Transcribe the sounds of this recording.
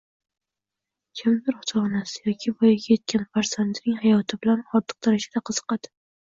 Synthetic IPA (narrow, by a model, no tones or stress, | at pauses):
kʲʰɪmd̪ɪɾhʊt̪ʰɑnasɪ̥jɒkʲʰɪbɒjɡʲaje̞t̪̚kʲʰanfaɾz̥and̪nɪŋhajɒt̪ʰɪbɪlanχɒd̪ːɨ̥q̚d̪aɾaʃad̪aqʰɨz̥ɨ̥qɑd̪ɪ